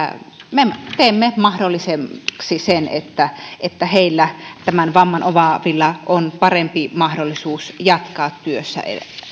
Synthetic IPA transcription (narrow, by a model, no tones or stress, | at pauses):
met̪eˑːmːemɑhdolːisemksisenḛt̪ːæet̪ːæheˑilːæt̪æmænʋɑmːɑnoʋɑʋilːɑʔonpɑrempimɑhdolːisuːsjɑt̪kɑːt̪tyøsːæ̰ḛ